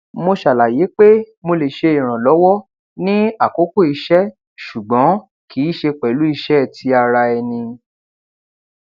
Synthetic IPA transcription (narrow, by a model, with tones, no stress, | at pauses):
mo˧ʃa˨la˨je˨˦k͡pe˦ | mo˧le˨ʃe˧i˨ɾ̃ã˨lɔ˨˦wɔ˦ | nĩ˦a˦˨ko˨˦ko˦˨i˧ʃɛ˦ | ʃu˨ɡ͡bɔ̃˨˦ | kʰi˨˦ʃe˧k͡pɛ˨lu˨˦i˧ʃɛ˦˨tʰi˧a˧ɾa˧ɛ˧nĩ˧